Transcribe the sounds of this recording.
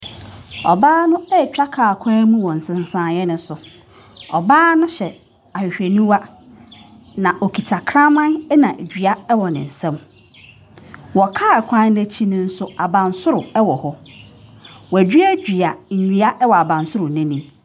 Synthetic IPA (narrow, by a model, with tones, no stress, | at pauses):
ɔ̰˨baː˦nʊ̃˦ɛ˦˨t͡ɕᶣa˦kʰaː˨kʷʰãː˦mũ˦wɔ̃˨n̩˨sɪ̃˨n˨sã˨jɛ˦nʊ̃˦sʊ˨ | ɔ˨baː˦nʊ̃˦ɕɛ˨ | a˨hᶣɪ˨ɕᶣe˨nũ˦wa˦ | nã˨ʔɔ˨kʰi˨tʰa˨kʰɾã˦mã˦nɛ˦nã˨ʔæ˨d͡ʑᶣɥa˦ɛ˦wɔ˨nɪ̰̃˨n̩˨sã˦m | wɔ˨kʰaː˦˨kʰã˦n˦næ˦t͡ɕʰi˦nʊ̃˦n̩˦sʊ˦a˨bã˨nsʊ˦ɾʊ˨ɛ˦wɔ˨hɔ˦ | wɔ˨æ˨d͡ʑᶣɥæ˦d͡ʑᶣɥa˨ɲ̩˨ɲũ˨a˦ʔɛ˦wɔ˨a˨bã˨nsʊ˦ɾʊ˨nɪ̃˦nĩ˦